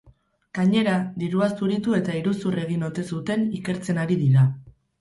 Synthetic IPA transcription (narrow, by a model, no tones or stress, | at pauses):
ɡ̥aɲe̞ɾad̪iɾuasuɾit̪ue̞t̪aiɾusure̞ɣ̞ino̞t̪e̞sut̪e̞nike̞ɾt͡se̞naɾiðiɾa